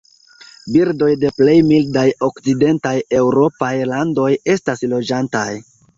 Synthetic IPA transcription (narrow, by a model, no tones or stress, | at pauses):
biɾdo̞jde̞ple̞jmildajo̞kt͡side̞ntaje̞wɾo̞pajlando̞je̞staslo̞d͡ʒantaj